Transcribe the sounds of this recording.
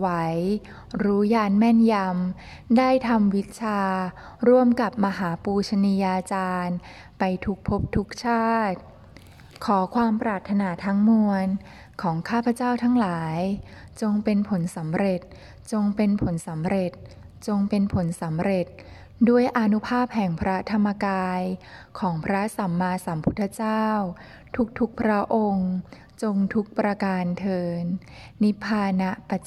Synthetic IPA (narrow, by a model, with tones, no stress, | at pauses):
wa˦˥j | ɾuː˦˥jaː˧nmɛ˥˩nja˧m | daː˥˩jt̪ʰa˧mwi˦˥t̪̚t͡ɕʰaː˧ | ɾu˥˩əmka˨˩p̚ma˧ɦaː˩˦puː˧t͡ɕʰa˧niː˧jaː˧t͡ɕaː˧n | pa˧jt̪ʰu˦˥k̚pʰo˦˥p̚t̪ʰu˦˥k̚t͡ɕʰaː˥˩t̪̚ | kʰɔː˩˦kʰwaː˧mpɾaː˨˩t̪ʰːa˧naː˧t̪ʰa˦˥ŋmu˧ən | kʰɔː˩˦ŋkʰaː˥˩pʰa˧˦t͡ɕaː˥˩wt̪ʰa˦˥ŋlaː˩˦jt͡ɕo˧ŋpe˧npʰo˩˦nsa˩˦mɾe˨˩t̪̚ | t͡ɕo˧ŋpe˧npʰo˩˦nsa˩˦mɾe˨˩t̪̚ | t͡ɕo˧ŋpe˧npʰo˩˦nsa˩˦mɾe˨˩t̪̚ | du˥˩əjʔa˧nu˦˥pʰaː˥˩p̚hɛ˨˩ŋpʰɾa˦˥t̪ʰa˧mːa˧kaː˧jkʰɔː˩˦ŋpʰɾa˦˥sa˩˦mːaː˧sa˩˦mpʰu˦˥t̪ʰːa˧t͡ɕaː˥˩w | t̪ʰu˦˥k̚t̪ʰu˦˥k̚pʰɾa˦˥ʔo˧ŋ | t͡ɕo˧ŋt̪ʰu˦˥k̚pɾa˧kaː˧nt̪ʰɤː˧nː | i˦˥pʰaː˧na˦˥pa˧˩t͡ɕ